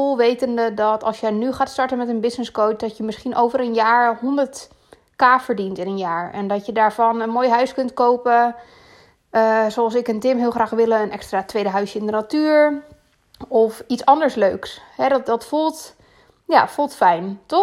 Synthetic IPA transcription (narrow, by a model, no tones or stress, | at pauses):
olˠʋejtəndədɔtɑlˠsjənyχaːtstɔɹtənmɛtənbɪsnɪskowt̚dɔtjəmɪsχinʔowvəɾənjaːɹhɔndəɹt | kaːfəɹdintɪnənjaːɹɛndɔtjədaːɹfɔnənmoːjɦœɥskøntkowpə | əsoɑlˠsɪkəntɪmɦɪəlˠxraːxʋɪlˠəənɛkstraːtʋejdəɦœɥsjəɪndənatyːɹ | ɔfitsɔndəɹsløɥkshɛdɔdɔtfulˠt | jafulˠtfɛjntɔ